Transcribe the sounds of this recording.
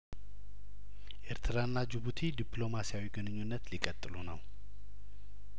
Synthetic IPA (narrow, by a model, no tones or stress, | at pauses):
ʔe̞ɾt̪ʰɨɾanːad͡ʒɨβut̪ʰid̪iplo̞masijawiɡɨnɨɲːunːət̪likʼət̪ʼːɨlunəw